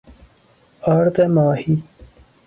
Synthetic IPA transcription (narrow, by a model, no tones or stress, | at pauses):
aːɾt̪emaːhi